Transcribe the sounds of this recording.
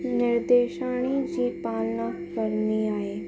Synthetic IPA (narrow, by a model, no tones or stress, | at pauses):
nɪɾd̪eːʃaːɽ̃id͡ʑiːpaːlnã | kəɾniaːeː